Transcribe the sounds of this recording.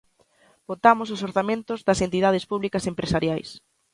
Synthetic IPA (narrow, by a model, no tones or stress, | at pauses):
b̥ot̪amʊsʊsoɾθamẽnt̪ʊzðɐsent̪ið̞aðɪspuβlikɐsempɾesaɾjajs